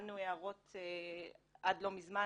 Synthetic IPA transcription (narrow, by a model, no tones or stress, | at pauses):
nueaʁo̞t̪e | ʔad̪lo̞mizma